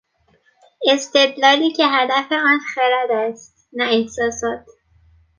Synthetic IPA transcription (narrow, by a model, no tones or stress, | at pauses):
e̞st̪e̞d̪lɒːliːcʰe̞ɦæd̪æfe̞ɒːnxeɾæd̪æst̪̚ | næehsɒːsɒːt̪ʰ